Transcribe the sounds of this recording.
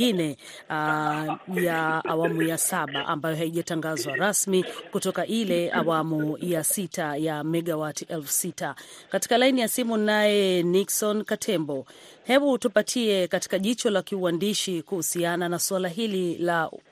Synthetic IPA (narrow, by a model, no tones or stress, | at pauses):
inɛ | jaawamujasaɓaʔa̰mbajɔɦaiʄataŋɡazwaɾasmikutɔkaʔilɛawamujasitʰajamɛɠawatiʔɛlfu̥sitakati̥kalainijasimunajɛniksɔnkatʰɛmbɔ | hɛɓutupatʰiɛkati̥kaʄit͡ʃɔlakiuwandiʃikuhusiananaswalaɦilila